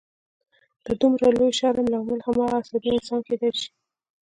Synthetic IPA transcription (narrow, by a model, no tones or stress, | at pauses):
d̪̥əd̪umɾalojʃɑɾamlamalxamɑɣaːsɑd̪iɪnsɑnxed̪əlʃi̥